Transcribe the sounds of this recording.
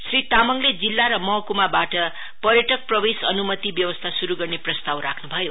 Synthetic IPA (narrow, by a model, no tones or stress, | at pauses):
srit̪amʌŋled͡zilːaɾʌmʌkumabaʈʌ | pʌɾjʌʈʌk̚prʌbesʌnumʌt̪ibjʌwʌst̪ʰasuɾuɡʌrneprʌst̪awɾakʰnubʱʌjo